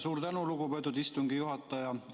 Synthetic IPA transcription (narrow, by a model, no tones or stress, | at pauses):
suːɾt̪ænuluɡupet̪ːˑud̪ist̪uŋɡijuɦɑt̪ːˑɑjɑ